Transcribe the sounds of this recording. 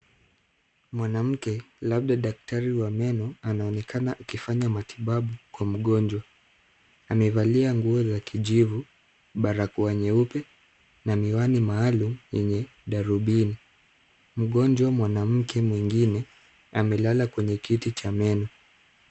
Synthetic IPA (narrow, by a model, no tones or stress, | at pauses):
mwanam̩kɛlab̚ɗaɗak̚taɾiwamɛnɔanaɔnɛkʰanaʔːkifaɲamatʰiɓaɓukwam̩ɠɔnd͡ʒwa | amɛvaliaŋɡuɔzakʰiʄivu | ɓaɾakuaɲɛupɛ | namiwanimaːlum̩jɛɲɛ | ɗaɾuɓini | m̩ɠɔnd͡ʒwamwanam̩kʰɛmwiŋɡinɛ | amɛlalakwɛɲɛkitit͡ʃamɛnɔ